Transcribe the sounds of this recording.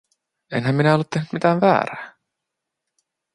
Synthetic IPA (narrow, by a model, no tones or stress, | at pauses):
enɦæmminæolːut̪ːehnyt̪mit̪æːʋʋæ̰ːɾæː